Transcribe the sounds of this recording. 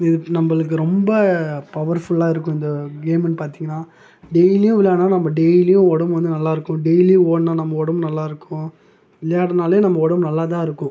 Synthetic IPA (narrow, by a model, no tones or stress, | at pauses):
ɪðɯnɐmbɐɭɯk̬ːɯɾɔmbɐpɐʋɐɾfʊɭaːɪɾɯkːʊ̃ɪnd̪ɐɡeːmnpaːɾt̪iːŋɡɐnːaː | ɖejlijʊ̃ɪlːaːnaːnɐmːɐɖejlijʊ̃ɔɽɐmʋɐnd̪ɯnɐlːaːɪɾɯkːʊ̃ɖejlijoːnaːnɐmːɐɔɽɐmnɐlːaːɪɾɯkːʊ̃ | ɪlːɐjaːɽɐnaːleːnɐmːɐɔɽɐmnɐlːaːt̪ãːɪɾɯkːʊ̃